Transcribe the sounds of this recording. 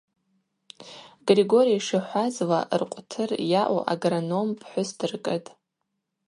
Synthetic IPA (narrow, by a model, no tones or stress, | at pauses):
ɡriɡo̞ɾijaʂaħʷazlaʔrqʷʼtʰɨrjaʔṵʔa̰ɡrono̞mpʰħʷʊsdɨrkʼɨtʼ